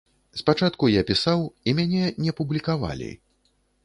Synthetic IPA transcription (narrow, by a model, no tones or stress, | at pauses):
spat͡ʂat̪kujapʲisawimʲanʲɛnʲɛɐpublʲikava̰lʲḭ